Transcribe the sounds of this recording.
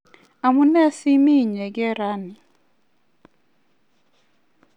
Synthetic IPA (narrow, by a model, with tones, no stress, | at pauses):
a˨mu˦nɛ˦si˦mi˦˨ɲɛ˨ɡɛ˦ɾa˦nɪ˨